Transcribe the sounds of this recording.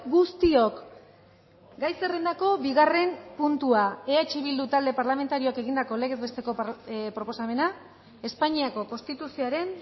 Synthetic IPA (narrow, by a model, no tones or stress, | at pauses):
ɡust̪io̞k | ɡajse̞rend̪ako̞βiɣ̞are̞mpunt̪uaeat͡ʃiβ̞ild̪ut̪ald̪e̞paɾlame̞nt̪aɾioake̞ɣind̪ako̞le̞ɣe̞zβe̞st̪e̞ko̞pɾopo̞same̞na | e̞spaɲiako̞ko̞nst̪it̪usioaɾe̞n